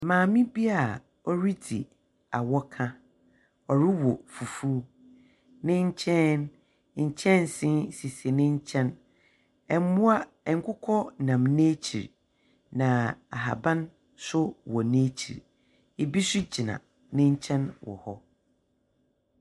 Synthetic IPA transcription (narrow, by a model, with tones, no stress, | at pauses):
mãː˨mĩ˦bi˦a˨ | ɔ˦ɾi˦dḭ˨ | a˨wɔ˦kʰã˦ | ɔ˨ɾɪ˦wɔ˨fu˨fuː˦ | nɪ̃˦ɲ̩˦t͡ɕʰɛ̃˦n | ɲ̩˨t͡ɕʰɛ̃˦n˨sɪ̃˦nsi˨se˨nɪ̃˦ɲ˦t͡ɕʰɛ̃˦n | ɛ˨m˦mʊ̃˦a˦ | ɛ˨ŋ̩˨kʰʊ˦kʰɔ˦nã˨mne˦t͡ɕʰḭ˨ɾ | nã˨a̰˨ɦa̰˨bã˦n | sʊ˦wɔ˨neː˦t͡ɕʰḭ˨ɾ | e˨bi˦sʊ˦d͡ʑi˨nã̰˨ | nɪ̃˦ɲ̩˦t͡ɕʰɛ̃˦nwɔ̰˨hɔ˦